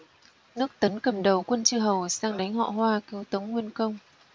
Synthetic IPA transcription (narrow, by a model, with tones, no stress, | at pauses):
nɨ˦˥ək̚t̪ə˨˦nkə˨˩mɗə˨˩wkwə˧nt͡ɕɨ˧ɦə˨˩wsaː˧ŋɗa˨˦jŋ̟ɦɔ̰˧˨hwaː˧ki˨˦wt̪ə˨˦wŋ͡mŋwi˧ənkə˧wŋ͡m